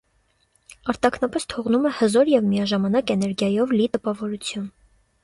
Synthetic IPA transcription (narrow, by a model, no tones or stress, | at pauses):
ɑɾt̪ɑkʰnɑpɛst̪ʰɔʁnumɛhəzɔɾjɛvmijɑʒɑmɑnɑkɛnɛɾɡjɑjɔvlit̪əpɑvɔɾut͡sʰjun